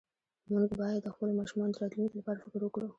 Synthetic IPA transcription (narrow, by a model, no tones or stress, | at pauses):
muɡbɑjad̪ːəxpəlomɑʃumɑnod̪əɾɑt̪lunikolapɑɾafɪkɾwəkɽu